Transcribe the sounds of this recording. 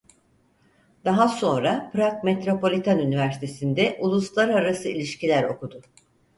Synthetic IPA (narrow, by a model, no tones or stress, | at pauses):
d̪̥aɦaso̞nɾapɾakmet̪ɾo̞po̞lʲit̪ʰanynivæɾsit̪ʰe̞sind̪ɛʔulˠuslˠaɾaɾasɯilʲiʃcilʲæɾo̞̰kud̪ʊ